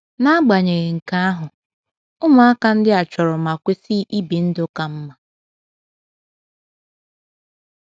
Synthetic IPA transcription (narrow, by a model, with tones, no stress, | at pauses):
na˦a˦ɡ͡ba˨ɲe˨ɣe˨ŋ̩˨ka˦a˦ɦʊ˨ | ʊ˦mʊ˨a˦ka˦n̩˦dɪ˦a˨t͡ʃɔ˨ɾɔ˨ma˨kʷe˦si˦ʔi˦bi˨n̩˦dʊ˦ka˨m̩˦ma˨